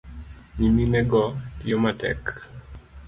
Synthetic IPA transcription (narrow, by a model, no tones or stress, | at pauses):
ɲiminɛɡɔtiɔmatɛ̰k